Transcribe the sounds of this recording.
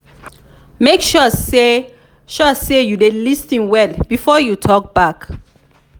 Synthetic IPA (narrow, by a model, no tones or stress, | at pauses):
mekʃɔe | ʃɔsejudelistĩnwɛlbifɔjutʰɔk̚b̥ak